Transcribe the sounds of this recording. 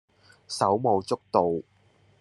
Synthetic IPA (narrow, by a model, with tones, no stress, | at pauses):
sɐ˨˥wmo˨˧wt͡sʊ˥k̚t̪o˨w